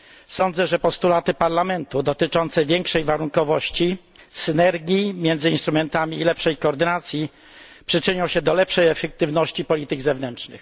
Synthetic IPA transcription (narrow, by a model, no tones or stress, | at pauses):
sɔnd̪zɛʐɛpɔst̪ulat̪ɘpaɾlamɛnt̪ud̪ɔt̪ɘt͡ʂɔnt̪sɛvʲjɛŋkʂɛjvaɾuŋkɔvɔɕt͡ɕi | sɘnɛɾɡʲimʲjɛnd̪zɘinst̪ɾumɛnt̪amʲiːlɛpʂɛjkɔːɾd̪ɘnat̪sʲji | pʂɘt͡ʂɘɲɔ̃w̃ɕɛd̪ɔlɛpʂɛjɛfɛk̚t̪ɘvnɔɕt͡ɕipɔlʲit̪ɘɡzɛvnɛnt͡ʂnɘ̰x